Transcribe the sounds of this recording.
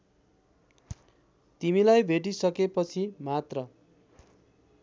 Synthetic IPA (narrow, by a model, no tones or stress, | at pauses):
t̪imilajbʱeʈ̬isʌkepʌt͡sʰimat̪rʌ